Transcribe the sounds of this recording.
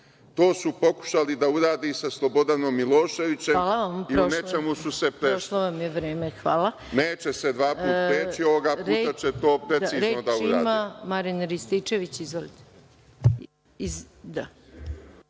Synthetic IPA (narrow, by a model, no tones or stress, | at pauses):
t̪o̞ːsupo̞ku̥ʃalid̪auɾaːd̪isaslˠobo̞d̪ano̞mːilo̞ːʃe̞ʋit͡ɕemalaʋampiɾounet͡ʃemususepɾeʃloʋamjeʋɾeːmexʋaːlˠa | neːt͡ɕesed̪ʋaːpuːapɾet͡ʃio̞ʋoɡapuet̪at͡ʃet̪o̞ːpɾesiːɾzenod̪auiɾaːdmamaɾinɾist̪it͡ʃeʋit͡ɕizʋolit̪e̥ | izd̪a